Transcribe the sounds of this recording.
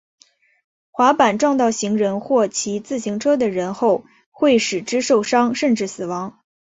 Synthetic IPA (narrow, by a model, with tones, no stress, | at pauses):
xwa˧˥pa˨˩nʈ͡ʂwɑ˥˧ŋt̪ɑ˥˩ʊɕi˧˥ŋɻə˧˥nxwɔ˥˩t͡ɕʰi˧˥t͡sɹ̩˥˩ɕi˧˥ŋʈ͡ʂʰɤ˥d̪ə˨ɻə˧˥nxo˥˧ʊ | xwe˥˩ɪʂɻ̩˨˩ʈ͡ʂɻ̩˥ʂo˥˩ʊʂɑ˥ŋʂə˥˧nʈ͡ʂɻ̩˥˩sɹ̩˨˩wɑ˧˥ŋ